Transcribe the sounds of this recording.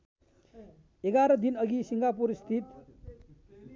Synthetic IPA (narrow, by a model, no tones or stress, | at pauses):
eɡaɾʌd̪inʌɡisiŋɡapuɾst̪ʰit̪